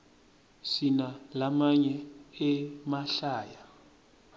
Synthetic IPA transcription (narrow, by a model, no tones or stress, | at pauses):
sinalamaɲɛɛmaɬaːja